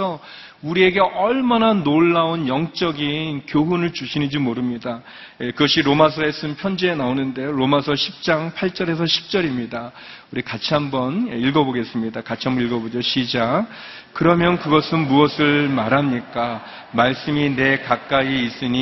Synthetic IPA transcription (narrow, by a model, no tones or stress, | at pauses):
ʌ | uɾie̞ɡe̞ʔʌɭmananoɭːaonjʌŋt͡ɕ͈ʌɡinkjoɦunɯɭt͡ɕuɕʰinid͡ʑimoɾɯmɲida | jekɯɡʌɕʰiɾomasʰʌes͈ɯmpʰjʌnd͡ʑeenaonɯnde̞joɾomasʰʌɕʰip̚t͡ɕ͈aŋpʰaɭt͡ɕ͈ʌɾe̞s̬ʰʌɕʰi̥p̚t͡ɕ͈ʌɾimɲida | uɾikat͡ɕʰiɦambʌnjeiɭɡʌboɡe̞s͈ɯmɲidakat͡ɕʰiɦambʌniɭɡʌbod͡ʑoɕʰid͡ʑa | kɯɾʌmjʌnkɯɡʌsʰɯnmuʌsʰɯɭmaɾɦamɲik͈a | maɭs͈ɯmine̞kak͈aiːs͈ɯɲi